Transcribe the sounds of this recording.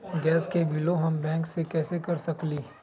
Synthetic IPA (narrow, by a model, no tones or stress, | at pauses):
ɡɛːskebʱiloɦɐmbɛ̃ːŋksekɛːsekɐɾsɐkliː